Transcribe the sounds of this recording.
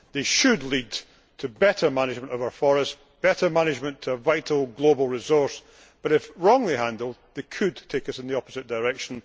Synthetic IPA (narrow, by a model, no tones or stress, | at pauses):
ðeʃɨdˡlˠid | tʰəbɛʔə˞manɪd͡ʒmə̃nʔəvaəʊə˞fɔɹəs | b̥ɛʔə˞manɪd͡ʒmə̃ntʰəːvaɪʔl̩ˠɡlˠobəl̩ˠɹɪzɔɹs | b̥ʌɾɪfɹɔ̃ŋlˠiɦãndəlˠd̚ðekʰɨdtʰekəsɪ̃nðiɔpəzɪʔd̥əɹɛkʃə̃n̩